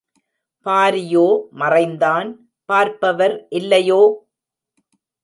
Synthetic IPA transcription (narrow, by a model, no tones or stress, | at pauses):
paːɾɪjoːmɐrɐɪnd̪aːn | paːɾpɐʋɐɾʔɪlːɐjoː